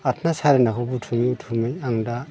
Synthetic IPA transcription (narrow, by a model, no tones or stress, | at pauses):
atʰnasaɾenakʰabutʰumiutʰumejaŋda